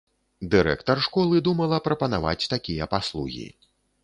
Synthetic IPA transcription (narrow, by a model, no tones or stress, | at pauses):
d̪ɨɾɛ̰kt̪ɐrʂkɔlˠɨd̪umɐlˠɐpɾɐpɐnava̰t͡sʲt̪akʲijɐpaslˠuɣʲḭ